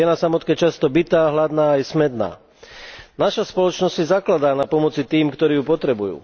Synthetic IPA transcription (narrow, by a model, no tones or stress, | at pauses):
ɛnasamɔt̪kɛːt͡ʃast̪ɔbit̪aːɦlad̪naːajɛsmɛd̪na̰ː | naʃaspɔlɔt͡ʃnɔssizaklad̪aːnapɔmɔt͡sit̪iːmkt̪ɔɾiːjupɔt̪ɾɛbujṵː